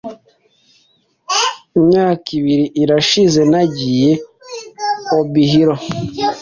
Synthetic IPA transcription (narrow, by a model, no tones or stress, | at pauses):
imɲaːkiβiɾiʔiɾaʃize̞naɟije | oβiɦiɾo